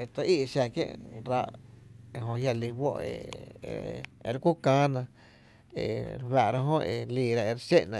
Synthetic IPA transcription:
e˨t̪a˧ʔi˦ʔʃja˧˨kjḛ̃˦ʔɾa˧ʔe˧ɦõ˧hja˧˨li˧wo˦ʔḛ˨ | e˧ɾkʷu˦kãː˦nã˧˨ | ḛ˨ɾhwa˨ʔɾa˦ɦõ˦e˨liː˧˨ɾa˧e˧ɾʃe˦ʔnã˧

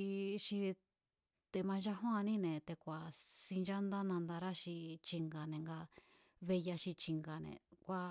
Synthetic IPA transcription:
i˧ʃi˧ | t̪e˧mã˧ʒa˦ɦõ˦ã˧nĩ˦nẽ˨t̪e˧kʷa˨si˧nd͡ʒa˦nd̪a˦nã˧nd̪a˧ɾa˦ʃi˧t͡ʃi˧ŋɡa˨nẽ˨ŋɡa˧ | βe˧ja˧ʃi˧t͡ʃi˧ŋɡa˨nḛ̃˨kʷa˧

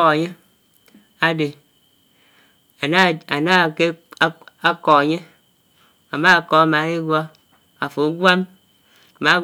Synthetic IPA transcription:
a˨ɲe˦ | a˦de˨ | a˨n˦˨a˨na˦˨ke˦ | a˦kɔ˨a˨ɲe˦ | a˨ma˦a˨kɔ˨a˨ma˨˦i˦ɡwa˦ | a˨fo˨˦ɡwa˦m˨ | ma˨˦

